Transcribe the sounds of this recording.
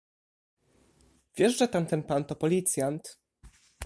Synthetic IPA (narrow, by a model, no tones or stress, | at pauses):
vʲjɛʂʐɛt̪ant̪ɛnpant̪ɔpɔlʲit̪sʲjant̪